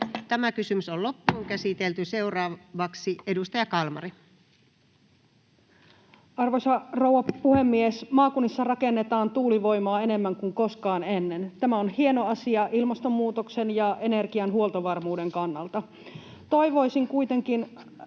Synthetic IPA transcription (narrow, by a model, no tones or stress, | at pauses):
t̪æmækysymysollopːuːŋkæsit̪elt̪yseurɑːʋɑksiedust̪ɑjɑkɑlmɑ̰ri | ɑrʋosɑrouwʋɑpuhe̞mːiesmɑːkunːisːɑrɑkenːet̪ɑːnt̪uːliʋo̞jmɑːene̞mːæŋkuŋko̞skɑːnenːent̪æmæonhie̞noɑsiɑʔilmɑst̪omːuːt̪oksenjɑʔene̞rɡiɑnɦuolt̪oʋɑrmuːdeŋkɑnːɑlt̪ɑ | t̪o̞jʋo̞jsiŋkujt̪e̞ŋkin